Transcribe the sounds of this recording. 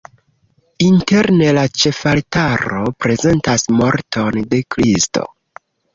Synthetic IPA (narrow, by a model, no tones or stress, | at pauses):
inte̞ɾne̞lat͡ʃe̞faltaɾo̞pɾe̞ze̞ntasmo̞ɾtʰo̞nde̞kɾisto̞̰